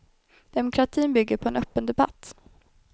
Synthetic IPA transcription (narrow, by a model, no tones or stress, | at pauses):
d̪̥ɛmʊkʰɾat̪ʰiːnbʏɡːəɾpʰɔɛnœpːənd̪ɛba̰t̪ː